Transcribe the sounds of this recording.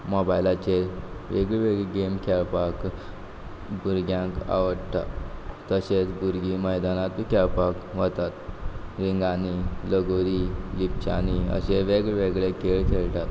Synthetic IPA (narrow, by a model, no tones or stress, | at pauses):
mɔbajlat͡ɕeʋeɡɭʋeɡɭeɡemkʰɛwpak | ɡuɾɡjãka̰ʋəɽʈa̰ː | əɕet͡sɡuɾɡiməjd̪anat̪ikɛwpakʋət̪at̪ɾiŋɡaniləɡoɾilipt͡ɕa̰niə̰ɕeʋeɡɭeʋeɡɭekeɭt̪ʰeɭʈ̪at̪